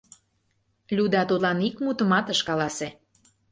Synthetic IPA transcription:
lʲud̪ɑt̪ut̪lɑnikmut̪ə̆mɑt̪əʃkɑlɑse

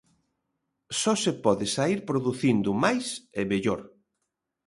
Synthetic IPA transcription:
sɔsepɔðɪsaiɾpɾoðuθind̪ʊmajsemeʎoɾ

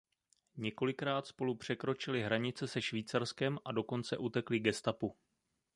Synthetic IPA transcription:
ɲɛko̞lɪkɾaːt̪spo̞lupr̝̥ɛkɾo̞t͡ʃɪlɪɦɾaɲɪt͡sɛsɛʃviːt͡saɾskɛmʔado̞ko̞nt͡sɛ̰ʔut̪ɛklɪɡɛst̪apu

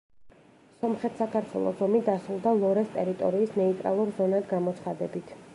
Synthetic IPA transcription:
sɔmχɛt̪ʰsakʰaɾt̪ʰwɛ̰lˠɔ̰zɔmid̪asɾulˠd̪alˠɔɾɛst̪ʼɛɾit̪ʼɔ̰ɾiːsnɛit̪ʼɾa̰lˠuɾzɔnad̪ɡamɔt̪sʰχad̪ɛbit̪ʰ

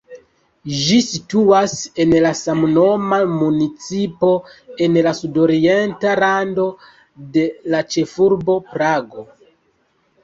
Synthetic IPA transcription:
ʒisituase̞nlasamno̞mamunit͡sipo̞e̞nlasudo̞ɾie̞ntaɾando̞ | de̞lat͡ʃe̞fuɾbo̞pɾaɡo̞

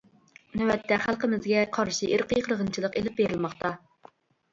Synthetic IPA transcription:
nywɛt̪ʰːɛχælˠqəmɪzɡʲɛqʰɑɾʃiʔɪɾqʰijqʰɾəʁənt͡ʃʰilˠəqelɪp̚beɾɪlmɑχt̪ʰɑ

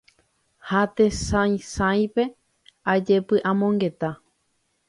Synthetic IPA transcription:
hat̪esãj̃sãj̃pe̞ | ad͡ʒepɨʔãmõŋɡe̞t̪a

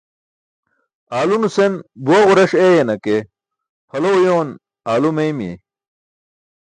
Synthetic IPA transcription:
aːlunusenbuɐɣuɾɐʂeːjenɐke | pʰɐlojoːn | aːlumejmjḛ

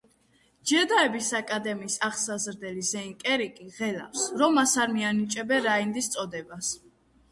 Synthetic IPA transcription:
d͡ʒɛɾd̪aɛbisakʼad̪ɛmiːsaχsazɾd̪ɛlizɛiŋkʼɛɾikʼiʁɛla̰fsɾɔmːasaɾmianit͡ʃʼɛbɛɾaind̪ist̪sʼɔd̪ɛbas

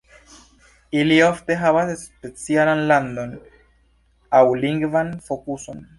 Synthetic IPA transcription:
ilioft̪eɦaβasespesjalanland̪on | awliŋɡvanfokuson

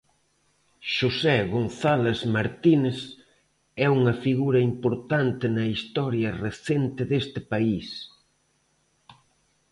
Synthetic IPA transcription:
ʃusɛɣonθalezmaɾt̪ines | ɛuŋɐfiɣuɾɐimpoɾt̪ant̪ɪnɐist̪ɔɾjɐreθent̪ɪðest̪ɪpais

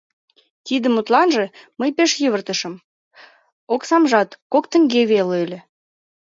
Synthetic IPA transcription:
t̪id̪əmut̪lɑnʒĕməjpeʃjəβərt̪əʃə̆m | oksɑmʒɑt̪kokt̪ə̆ŋɡeβelølʲe

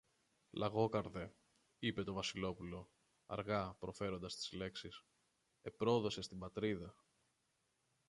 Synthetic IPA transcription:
lʔɐɣo̞kɐɾðe̞ | ipe̞t̪o̞vɐsilo̞pulo̞ | ɐ̰ɾɣɐpɾo̞fe̞ɾo̞nd̪ɐst̪i̥zle̞ksis | e̞pɾo̞ðo̞se̞st̪imbɐt̪ɾiðɐ

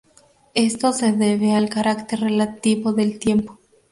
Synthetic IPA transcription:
est̪o̞seðeβealkaɾakt̪e̞ɾrelat̪iβoðe̞lt̪je̞mpo̥

